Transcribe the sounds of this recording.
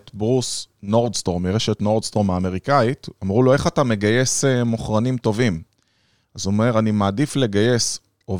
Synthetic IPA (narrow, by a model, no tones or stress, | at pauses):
tbʁusno̞ʁdst̪o̞ʁmiʁeʃet̪no̞ʁd̪st̪o̞ʁmaːme̞ʁikait̪amʁuloe̞χatame̞ɡaje̞semoχʁanimt̪o̞vim | azome̞ʁanimaːdifle̞ɡaje̞s | o